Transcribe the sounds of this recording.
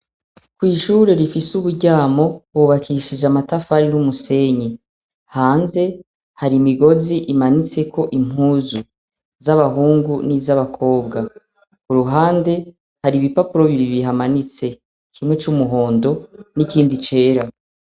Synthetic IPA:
kwiːʃuːɾe̞ɾifisuβuɾɟaːmo̞βuβakʰiʃid͡ʒamatafaɾinumuse̞ɲi | haːnze̞ | haɾimiɡo̞ziʔimanit͡se̞kʰo̞ʔim̥huːzu | zaβaɦuːŋɡunizaβakʰo̞ːbɡa | kuɾuɦaːnde̞ | haɾiβipapuɾo̞βiɾiβiɦamanit͡se̞ | kʰimŋe̞t͡ʃumuɦo̞ːndo̞nikiːndit͡ʃe̞ːɾa

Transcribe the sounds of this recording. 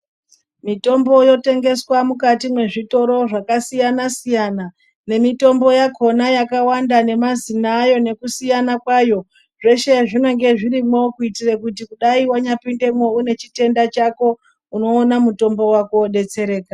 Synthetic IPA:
mito̞mbo̞jo̞te̞ŋɡe̞swamukatimwe̞ʐito̞ɾo̞ʐakasijanasijana | ne̞mito̞mbo̞jakʰo̞najakawandane̞mazinajo̞ne̞kusijanakwajo̞ | ʐe̞ʃe̞ʐino̞ŋɡe̞ʐiɾimwokuitirekut̬ikuɗaiwaɲapinde̞mwo̞une̞t͡ʃite̞ndat͡ʃako̞ | uno̞ːnamuto̞mbo̞wakoɗe̞t͡se̞ɾe̞ːka

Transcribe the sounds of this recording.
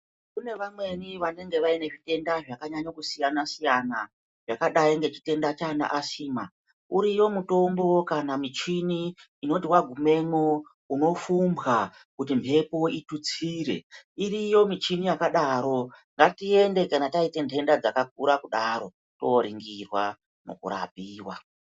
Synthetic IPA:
kune̞ʋamwe̞niʋane̞ŋɡeʋaine̞ʐite̞ndaʐakaɲaɲakusijanasijana | ʐ̥akaɗaiŋɡe̞t͡ʃi̥te̞ndat͡ʃana̰ʔasiːma | uɾijo̞muto̞mbo̞kanamit͡ʃiniː | no̞tiwaɡʱume̞mo | uno̞fumbɣa | kutimpʰe̞po̞itut͡siːɾe̞̰irijo̞mit͡ʃinijakaɗaːɾo̞ŋɡatie̞nde̞kanataite̞ndʰe̞ndad͡zakak̚uɾakuɗaɾo̞ | to̞ɾiŋɡirwa | no̞̰kṵɾa̰p̚iːwa

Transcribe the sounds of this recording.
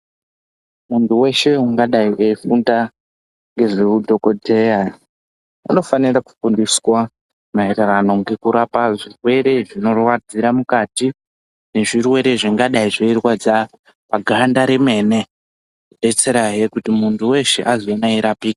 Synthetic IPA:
muntʰuwe̞ʃe̞uŋɡaɗaiʔeifunda | ŋɡe̞ʐiudʱo̞ko̞dʱe̞ja | a̰no̞faniraku̥fundiswa | maɦererano̞ŋɡe̞kuɾapaʐirwe̞ɾe̞ʐino̞rwad͡ziɾamukati | ne̞ʐirwe̞ɾeʐiŋɡaɗaiʐoirwad͡za | paɡʱandaɾeme̞ne̞ | uɓe̞t͡se̞ɾaɦe̞kutimuntʰuwe̞ʃe̞̰ʔazoonaiɾapiːki

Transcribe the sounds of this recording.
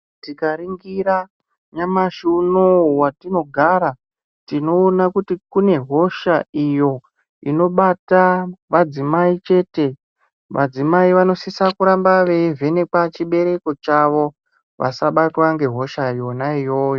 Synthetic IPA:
tikaɾiŋɡiɾa | ɲamaʃunowatino̞ɡʱaɾa | tino̞ːnakutikune̞ɦo̞ʃaijo̞ | ino̞ɓataʋad͡zimait͡ʃe̞te̞ | ʋʔa̰d͡zimaiʋano̞sisakuɾambaʋeve̞ne̞kat͡ʃiɓe̞ɾe̞ko̞t͡ʃaʋo̞ | ʋa̰saɓatwaŋɡe̞ɦo̞ʃajo̞naijo̞ːjo̞

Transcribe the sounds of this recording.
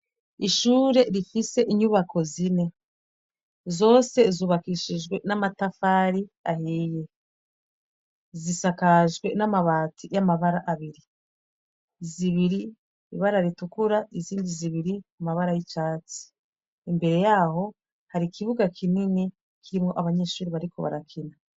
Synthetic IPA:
iʃuːɾe̞ɾifise̞ʔiɲuβako̞zine̞ | zo̞ːse̞zuːβakiʃiʒɡwe̞namatafaɾiahiːje̞ | zisakaʒɡwe̞namaβaːtijamaβaɾaʔaβiɾi | ziβiɾi | iβaɾaɾitukuɾaiziːndiziβiɾikumaβaɾajit͡ʃaːt͡si̥ | imbe̞ɾe̞jaːho̞ | haɾikʰiβuɡakʰinini | kiɾimŋo̞ʔaβaɲe̞ːʃuːɾiβaɾiko̞βa̰ɾakʰina

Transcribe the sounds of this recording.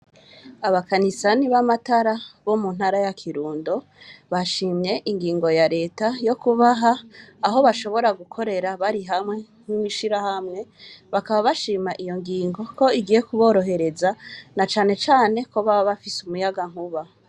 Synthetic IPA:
aβakanisaniβamataɾaβo̞munhaɾajakʰiɾuːndo̞ | βaʃiːmɲe̞ʔiŋɡiːŋɡo̞jaɾe̞ːtajo̞kuβaɦaːɦo̞βaʃo̞βo̞ɾaɡukʰo̞ɾe̞ɾaβaɾiɦamŋe̞n̥imiʃiɾahamŋe̞βakaβaβaʃiːmaʔijo̞ŋɡiːŋɡo̞ko̞iɡije̞kuβo̞ːɾo̞ɦe̞ɾe̞zanat͡ʃaːne̞t͡ʃaːne̞koβaβaβafisumujaɡaŋ̥huβa

